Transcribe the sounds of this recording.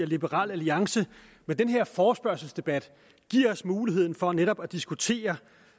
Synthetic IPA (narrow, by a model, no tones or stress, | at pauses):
ɐlib̥əʁɑ̰̈ːlæliɑ̈ŋsə | med̥enɦe̝ɐ̰fɒːsb̥ɶɐsl̩sd̥e̝b̥æd̥ | ɡ̥iɐ̰ɒ̽smuːliɦe̝ð̞̰ˠn̩fɒ̽neɾɒ̽b̥æd̥isɡ̥ut͡sʰe̝̰ːɐ